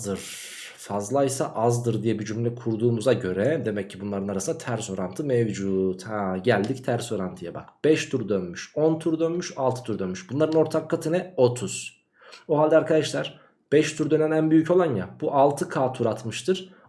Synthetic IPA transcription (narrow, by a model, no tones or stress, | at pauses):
d̪ɯɾ̥ | fazlˠajsaʔazd̪ɯɾd̪ijɛbid͡ʒymlʲɛkʰuɾd̪uːmuzaɟø̞ɾɛd̪e̞mɛcʰːibunlˠaɾɯnaɾasɯnat̪ʰæɾso̞ɾant̪ʰɯmɛvd͡ʒuːt̪haɟælʲd̪ict̪ʰæɾso̞ɾant̪ʰɯjaba̰kb̥ɛʃt̪ʰuɾd̪ønmyʃont̪ʰuɾd̪ønmyʃalˠt̪ʰɯt̪ʰyɾd̪ønmyʃbunlˠaɾɯno̞ɾt̪ʰakːat̪ʰɯnɛo̞t̪ʰuz̥ | oɦalʲd̪ɛaɾkʰad̪aʃlˠaɾ̥ | b̥ɛʃt̪ʰuɾd̪ø̞nɛnænbyjycʰo̞lˠanjabuʔalˠt̪ʰɯkʰaːt̪ʰuɾat̪mɯʃt̪ʰɯɾ̥